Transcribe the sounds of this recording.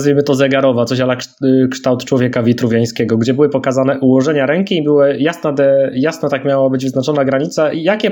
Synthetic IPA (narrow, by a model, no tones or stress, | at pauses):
zvʲimɘt̪ɔzɛɡaɾɔvat̪ɔɕ̬alakʂt̪awt̪t͡ʂwɔvʲjɛkavʲit̪ɾuvʲjaj̃skʲɛɡɔɡd͡ʑɛbɘwɘpɔkazanɛʔuwɔʐɛɲaɾɛŋkʲiːbɘwɘjasnad̪ɛjasnat̪akmʲjawabɘd͡ʑvɘznat͡ʂɔnaɡɾaɲit̪saijakʲɛ